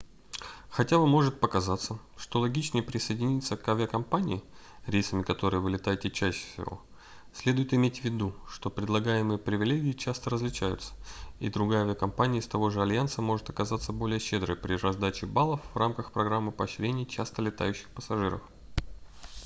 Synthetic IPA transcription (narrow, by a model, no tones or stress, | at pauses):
xɐtʲabɨmo̞ʐɨt̪̚pəkɐzat̪səʂt̪o̞lˠɐɡʲit͡ɕnəjəpɾʲɪsəjdʲɪnʲit̪səkɐvʲɪɐkɐmpanʲɪ̰ɪ | ɾʲejsəmʲɪkɐt̪o̞ɾɨjəvɨlʲɪt̪ajɪtʲɪt͡ɕæɕːɪ̥fsʲɪ̰vo̞̰ | sʲlʲed̪ʊjɪt̪ɪmʲetʲvʲɪd̪uʂt̪o̞pɾʲɪd̪lˠɐɡajɪmɨjəpɾʲɪvʲɪlʲeɡʲɪːt͡ɕast̪əɾəzlʲɪt͡ɕæjʊ̰t̪sə̥ḭd̪ɾʊɡajavʲɪɐkɐmpanʲɪəst̪ɐvo̞ʐɨɐlʲjant̪səmo̞ʐɨt̪ɐkɐzat̪səbo̞lʲɪjəɕːe̞d̪ɾɨ̰jpɾʲɪrɐzd̪at͡ɕɪbalˠəfvramkəxpɾɐɡɾamːɨpəːɕɾʲenʲɪjt͡ɕast̪əlʲɪt̪a̰jʉɕːɪxpəsɐʐɨɾə̰f